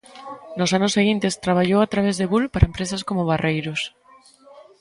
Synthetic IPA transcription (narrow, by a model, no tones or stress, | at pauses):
nosanʊsːeɣ̞int̪est̪ɾaβ̞aʎowat̪ɾaβ̞ezðeβulpaɾaempɾesaskomoβ̞arejɾos